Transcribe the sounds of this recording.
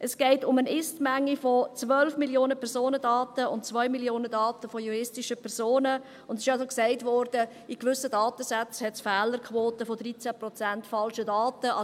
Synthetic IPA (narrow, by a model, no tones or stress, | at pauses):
ʔəsɡ̥ɛɪtʊmənɪstmæŋːifot͡svœlfmiljoːnəpʰɛɾzoːnədɑːtəʊntt͡sʋœʏmiljoːnədɑːtəfojuɾɪstɪʃəpʰɛɾz̥oːnə | ʊndɪʃɑsoksɛɪtvɔːɾd̥ə | ikvʏsədɑːtəsat͡shɛtsfɛːləɾkχʋoːtəfɔdɾit͡sæpɾrɔt͡sæntfɑlʃədɑːtəɑ